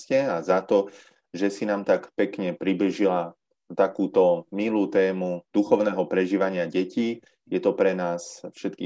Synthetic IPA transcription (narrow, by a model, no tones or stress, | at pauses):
cɛazat̪ɔ | ʒɛsinaːmt̪akpɛkɲɛpɾibiʒila | t̪akuːt̪ɔmiluːt̪ɛːmud̪̥uxɔʊnɛːɦɔpɾɛʒiːʋaɲɪaɟɛciː | jɛt̪ɔpɾɛnaːsfʃɛt̪kḭː